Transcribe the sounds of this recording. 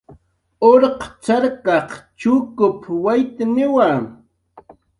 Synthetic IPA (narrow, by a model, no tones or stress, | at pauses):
oɾqt͡ʃaɾkɑqt͡ʃʊːkʊpwajt̪anɪwaŋ